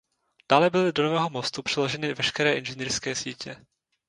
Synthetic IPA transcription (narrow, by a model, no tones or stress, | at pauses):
d̥aːlɛbɪlɪdonovɛːɦo̞mo̞st̪upr̥ɛlo̞ʒɛnɪvɛʃkɛɾɛːʔɪnʒɛniːɾskɛːsiːcɛ